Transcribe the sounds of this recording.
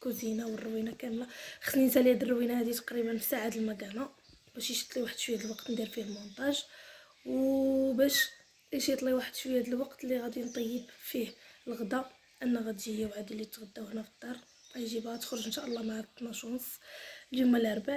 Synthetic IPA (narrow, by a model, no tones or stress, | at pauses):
kuzinawərːwinakænæxsminsælæd̪ərˤːwinahæd̪it̪ɑ̥qɾibənfi̥saʕad̪əlmæɡæna | bæʃiʃjə̥t̪ˤliwaħəd̪fihæd̪əlwɑqt̪nd̪iɾfihlmʊnt̪ˤɑʒ | wbæʃ | ʔæʃjət̪ˤliwaħəd̪fihæd̪əlwɑqt̪lːiɣæd̪int̪ˤɑjːəbfihəlɣd̪æ | ʔænːæɣæd̪ijæwʕad̪ilit̪ɣəd̪ːæwhnæfəd̪ːɑrˤː | æjʒibæt̪ə̥xɾʊʒənʃæʔəlˤːɑmaʕt̪ːnæʃunsˤljʊmːælʔɑɾˤba